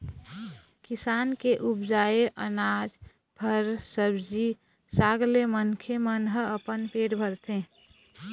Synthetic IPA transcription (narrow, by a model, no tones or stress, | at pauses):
kɪsaːnkeʔubd͡ʒaːeʔənaːd͡ʒ | bʱəɾsəbd͡ʒi | saːɡlemənkʰemənɦəəpənpeːʈbʱəɾt̪ʰẽ